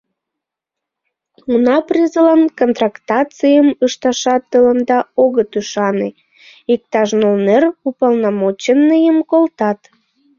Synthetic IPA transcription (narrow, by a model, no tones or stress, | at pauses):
unɑprʲizəlɑnkont̪rɑkt̪ɑt͡sɨjəməʃt̪ɑʃɑt̪ːələnd̪ɑoɣət̪yʃɑne | ik̚t̪ɑʃnolnerupɑlnɑmot͡ɕənːəjəmkolt̪ɑt̪